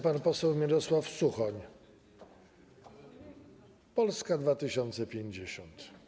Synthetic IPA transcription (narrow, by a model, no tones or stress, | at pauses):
panpɔsɛwmʲiɾɔswafsuxɔɲ | pɔlskad̪vat̪ɘɕɔnt̪sɛpʲjeɲd͡ʑeɕɔnt̪